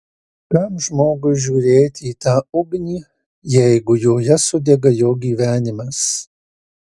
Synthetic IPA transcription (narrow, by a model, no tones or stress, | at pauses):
k̪ɐmʒmoːɡʊʒʲuːɾʲeːt̪ʲɪiːt̪ɑːʊɡnʲiː | jɛɪɡʊjoːjɛsʊd̪ʲɛɡɐjoːɡʲiːʋʲæːnʲɪmɐs